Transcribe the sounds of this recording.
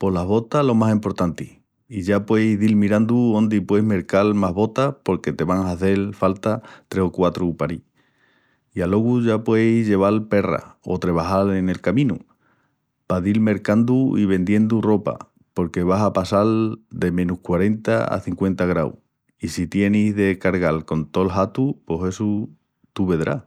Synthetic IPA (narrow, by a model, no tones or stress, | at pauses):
po̞laɦβo̞t̪alo̞masimpo̞ɾt̪ant̪ih | iʝapwe̞jzðilmiɾãnd̪uo̞nd̪ipwe̞jɦme̞ɾkalmaɦβo̞t̪apo̞ɾke̞t̪e̞βaŋaːθe̞lfalt̪at̪ɾe̞sokwat̪ɾupaɾi | ialo̞ɣuʝapwe̞jzʝe̞β̞alpe̞ra̰o̞̰t̪ɾe̞β̞aɦale̞ne̞lkamĩnu | paðilme̞ɾkand̪uiβe̞nd̪je̞nd̪uro̞pa̰ | po̞ɾke̞β̞asapasald̪e̞mẽ̞nuhkwaɾe̞nt̪aa̰θiŋkwe̞nt̪aɣ̞ɾa̰w̰ | isit̪je̞nizðe̞kaɾɣalko̞nt̪o̞lɦat̪upo̞se̞su | t̪uβe̞ðɾa̰